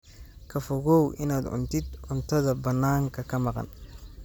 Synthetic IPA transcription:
kʰɐfɔɣɔwʔɪ̰naːd̪ʕʊ̰nt̪ʰɪd̪ʕʊnt̪ʰɐðɐbɐnːaːŋkʰɐkʰɐmɑqɑ̰n

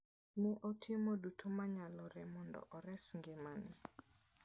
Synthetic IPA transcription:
mɪʔɔtʰɪmodutʰomaɲalɔɾɛmɔndɔ̰ʔɔɾɛsŋɡɪmanɪ

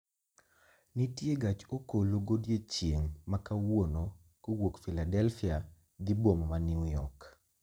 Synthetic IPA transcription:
nitjeɡat͡ʃokoloɡodjet͡ʃjeŋmakawono | kowokfiladɛlfia | d̪ibommanɪujɔk

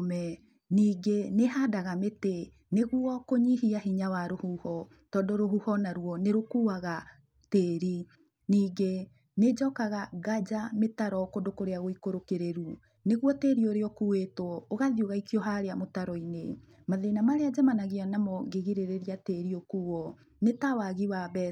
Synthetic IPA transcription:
mɛ | niːɡeneɦadaɣamete | neɣuɔkoɲiɦiaɦiɲawaɾohuhɔ | tɔːndɔɾoɦuhɔnaɾuɔneɾokuaɣa | teːɾi | niːɡe | ned͡ʒɔkaɣaɣad͡ʒametaɾɔkondokoɾeaɣoikoɾokeɾeɾu | neɣwɔteɾioɾeɔkuwetwɔoɣaðioɣaikjɔɦaɾeamotaɾɔine | maðenamaɾead͡ʒamanaɣianamɔɡeɣiɾeɾeɾiateɾiokuɔ | netawaɣiwabɛ

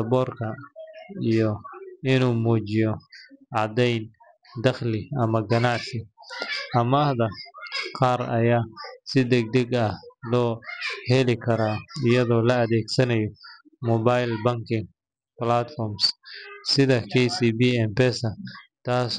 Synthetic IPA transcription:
ɐbɔːrkʰɐ | ijɔɪnuːmuːt͡ʃɪjɔʕɑʕd̪ɛjn | d̪ɐχlɪɐmɐɡɐnaʕsɪʔɐmːhd̪ɐqɑːɾɐ̰jaːsɪd̪ɛɡ̚d̪ɛɡɐhlɔːhɛlɪkʰɐɾaːɪjɐðɔːlɐɐðɛːɡsɐnɐjɔ | mɔbajlbɐŋkʰɪŋ | plat̪fɔrmssɪðɐkʰɛjsiːbiɛmpɛsɐt̪ʰaːs

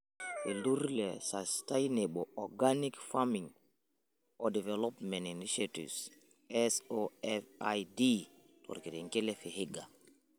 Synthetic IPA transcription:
ʔeluɾlɛ̰sastajnebɔɔɡanikfamiŋ | ɔdɛvɛlɔpmɛ̃ntiniʃatḭs | ɛsoɛfajdi | tʰɔ̰ɾketɛŋkelɛfeheɡa

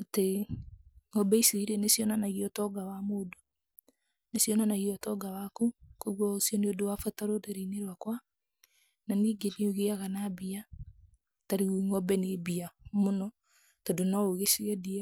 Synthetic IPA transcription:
ate | ŋɔbɛisiɾiɾenesijɔnanaɣiɔtɔɡawamodo | nesjɔnanaɣiɔtɔɡawakukoɣwɔosjɔneodowafataɾoɾeɾeineɾwakwa | naniːɡeneuɣeaɣanabia | taɾiuiŋɔbɛnebiamonɔ | tɔdonaoɣesiɛdiɛ

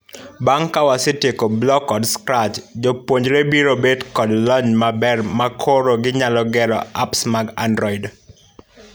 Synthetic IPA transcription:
baŋkawasɪtekoblɔkɔdskɾat͡ʃd͡ʒopwoɲd͡ʒɾebiɾobedkɔdlɔɲmabɛrmakʰoɾoɡɪɲalɔɡɛɾɔ̰apsmaɡandɾɔid

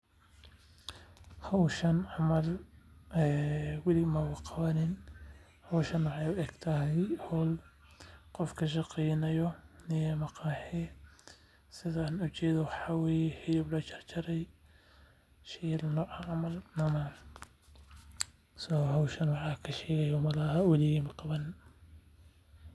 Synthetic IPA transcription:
hɐwʃɐnʕɑmɐl | ɛwɪlimɐwɑqɑβɐnɪn | hɐwʃɐnwɑʕɛjʊɛɡt̪ʰahɛjhɔl | qɔfkʰɐʃ̬ɑqɛjnɐjɔnɪjɛmɐqɑħɛ | sɪðɐaːnʊt͡ʃɛːðɔwɑħɑːwɛːjɛħɪlɪblɐt͡ʃʰɐrt͡ʃɐɾɛj | ʃɛlnɔːʕɑɐmɐlnɐmɐ | sɔɦɐwʃɐnwɑʕɑkʰɐʃɛːɣɐjɔmɐlɐhɐwɛlɪɣimɐqɑβɐnɪn

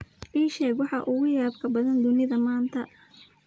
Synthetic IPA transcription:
ʔiːʃɛːɡwɑħɑʔʊɣʊjaːbkʰɐbɐðɐnd̪ʊnɪðɐmaːnt̪ʰɐ

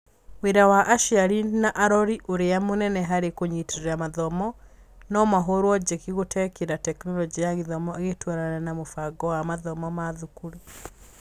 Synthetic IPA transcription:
weɾawaʔaʃiaɾinaʔaɾɔɾiʔoɾeamonɛnɛɦaɾekoɲiteɾamaðɔmɔ | nɔmaɦoɾwɔd͡ʒekiɣotʰɛkeɾatɛknɔlɔd͡ʒijaɣeðɔmɔeɣetwaɾananamofaɡɔwamaðɔmɔmaðukuɾu

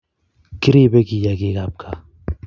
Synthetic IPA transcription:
kɪɾibeɡijaɡiːɡaːp̚kʰa

